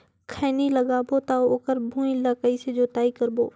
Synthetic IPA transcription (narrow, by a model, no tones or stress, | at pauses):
kʰɛːniləɡaːbot̪aːooːkəɾbʱũːĩləkəised͡ʒoːt̪aːikɐɾbo̰ː